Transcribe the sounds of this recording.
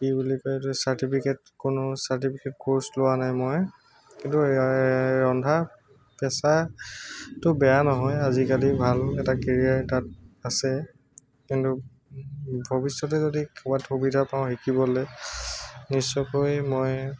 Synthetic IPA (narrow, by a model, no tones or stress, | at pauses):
pibulikatʊsaɹtipʰiket | kʊnʊsaɹtipʰiketkoɹslʊwanajmɔj | kintu | ɹɔndʱa | pɛsa | tʊbɛjanɔɦɔjazikalibʱalɛtakɛɹiaɹtat̚asɛ | kintu | bʱɔbisːɔt̬ɛzodikʰɔbatxubidʱapaʊ̃ɦikibɔlɛ | nisːɔkojmɔj